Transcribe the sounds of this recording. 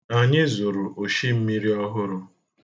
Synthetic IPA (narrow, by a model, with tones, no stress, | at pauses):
a˨ɲɪ˦zʊ˨ɾʊ˨ʔo˨ʃi˦m̩˦mi˦ɾi˦ɔ˦ɦʊ˦ɾʊ˦